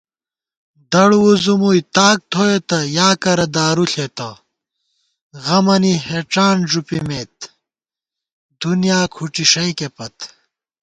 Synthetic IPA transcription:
d̪ɐɽwuzumujt̪aːk̚t̪ʰoet̪ɐjaːkɐɾɐd̪aːɾuɬet̪ɐ | ɣɐmɐniheʈ͡ʂaːnʐupimeːt̪̚ | d̪unijaːkʰuʈ͡ʂiʂɐjkepɐt̪

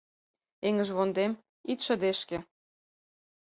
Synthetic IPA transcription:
eŋə̆ʒβond̪em | it̪ʃə̆d̪eʃkĕ

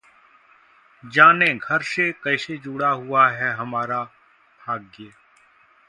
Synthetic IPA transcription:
d͡ʒaːneɡʱɐɾsekɐɪsed͡ʒuːɽaɦʊaɦɛɦɐmaːɾa | bʱaːɡːeː

